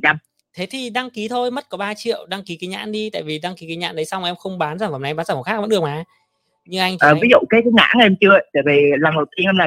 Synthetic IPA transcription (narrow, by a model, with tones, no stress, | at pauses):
t͡ɕa˧m | t̪ʰe˨˦t̪ʰi˨˩ɗa˧ŋki˨˦t̪ʰo˧jmə˦˥t̚kɔ˨˦ɓaː˧t͡ɕḭ˧˨əwɗa˧ŋki˨˦ki˨˦ɲa̰ː˧˥nɗi˧t̪a̰ː˧˨jvi˨˩ɗa˧ŋki˨˦ki˨˦ɲa̰ː˧nɗə˨˦jsa˧wŋ͡mʔɛ˧mxə˧wŋ͡mɓaː˨˦nzaː˧˩mva˨˩m˨˧ɓaː˨˦zaː˨˩˨xaː˦˥k̚və̰˧˥nɗək̚maː˨˦ | ɲɨ˧ʔa˧jŋʔəː˨˩vi˨˦zṵ˧˨kaː˨˦jka˨˦ŋa̰ː˧˥ŋʔe˧mt͡ɕɨ˧ə˧˨jt̪e˧˨˩ve˨˩˨laː˨˩ŋo˨˩t̪i˧hə˧nlaː˨˩